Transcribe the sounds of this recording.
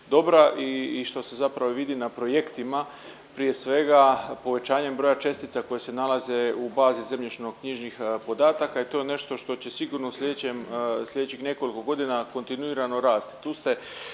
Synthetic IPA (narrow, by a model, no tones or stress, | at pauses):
d̪o̞bɾaʔiːʃt̪o̞se̞zapɾaʋo̞ʋid̪inapɾo̞je̞kt̪ima | pɾije̞sʋe̞ɡapo̞ʋe̞t͡ɕaːɲe̞mbɾo̞jat͡ʃe̞st̪it̪sako̞jese̞nalaze̞ubaːzize̞mʎit͡ʃno̞ɡkɲiʒnixpo̞d̪aːt̪akait̪o̞jene̞ʃt̪o̞ʃt̪o̞t͡ɕe̞siɡuːɾno̞uslʎe̞d̪et͡ɕemslʎʲe̞d̪et͡ɕixne̞ko̞liko̞ɡo̞d̪inako̞nt̪inuiːɾano̞ɾaːst̪i̥t̪uːst̪e̞